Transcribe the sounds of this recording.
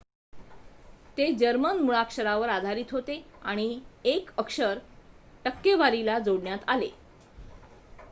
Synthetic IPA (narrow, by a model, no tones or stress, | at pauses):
t̪ed͡ʑəɾmənmuɭakʂəɾaʋəɾad̪ʱaɾiːt̪ɦot̪eaɽ̃iekəkʂəɾʈəkːeʋaɾilad͡zoɽɳjat̪ale